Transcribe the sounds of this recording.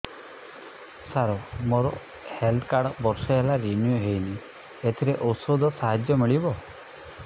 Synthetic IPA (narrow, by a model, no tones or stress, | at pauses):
saɾomoɾɔ̰ | held̪kaɾɽbɔɾsɔɦelaɾinijuɦejni | et̪ʰiɾeʔowsod̪ʱɔsaɦad͡ʒjɔmiɭibɔ